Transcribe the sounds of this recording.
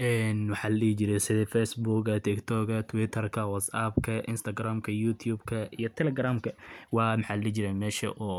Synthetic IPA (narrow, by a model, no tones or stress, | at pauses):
ʔɛːnwɑħaːllɛːt͡ʃɪɾɛsɪðɛfɛsbuɡɐt̪ʰɪkt̪ʰɔːɡɐt̪ʰʊwɪt̪ʰɐrkʰɐwɐt̪sɐbkʰɐʔɪnst̪ʰɐɡɾaːmkʰɐjut̪ʰjuːbkʰɐijɔt̪ʰɛlɛɡɾaːmkʰɐwɑːmħaːllɛːt͡ʃɪɾɛjmɛːʃɐ̰ʔɔː